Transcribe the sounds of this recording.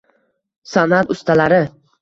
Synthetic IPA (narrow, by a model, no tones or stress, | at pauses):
sanat̪ʊst̪ʰalaɾɪ